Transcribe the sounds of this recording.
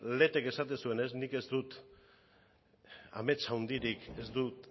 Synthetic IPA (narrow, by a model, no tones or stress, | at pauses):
le̞t̪e̞ke̞sat̪esue̞ne̞snike̞zd̪ut̪ | a̰me̞t͡sawnd̪iɾike̞zd̪ut̪